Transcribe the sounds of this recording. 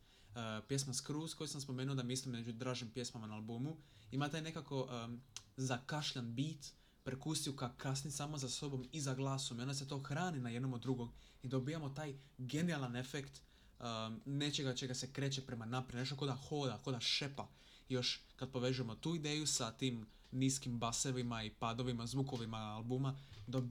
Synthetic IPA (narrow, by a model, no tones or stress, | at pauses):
pje̞smaskɾuːsko̞jisamspo̞me̞ːnuod̪amislimmed͡ʒud̪ɾaːʒimpje̞smamanaːlbumu | imat̪aːjne̞kako̞ʔ | zakaʃʎanbit̪ | pɾekust̪ijukakasnisaːmozaso̞bo̞mizaɡlˠaːsomio̞nd̪aset̪o̞ːxɾaːninaje̞d̪no̞mod̪ːɾuɡo̞m | id̪o̞bijamo̞t̪aːjɡe̞nialˠanefekt̪ː | ne̞t͡ʃe̞ɡat͡ʃe̞ɡasekɾe̞ːt͡ʃepɾe̞manapɾeneʃ̬t̪oko̞d̪axo̞ːd̪ako̞d̪aʃe̞pa | jo̞ʃkad̪̚po̞ʋe̞ʒuje̞mo̞t̪uːid̪e̞ːjusat̪iːm | niːskimbaseʋimaipaːd̪o̞ʋimazʋuko̞ʋimaalbumad̪o